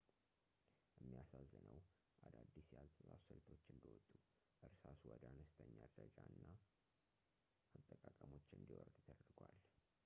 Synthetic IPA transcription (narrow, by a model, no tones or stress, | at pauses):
jɛmːijasazːɨnəw | ʔad̪ad̪ːisjalt̪ʼəza̰səlt̪ʰo̞t͡ʃːɨnd̪iwɔt̪ʼːu | bəɾsasuwɔd̪anəst̪ʰəɲːad̪ɾəd͡ʒaɨnːa | ʔat̪ʼːəkʼakʼəmo̞t͡ʃːɨnd̪iwɔɾd̪t̪ʰəd̪əɾɡʷwal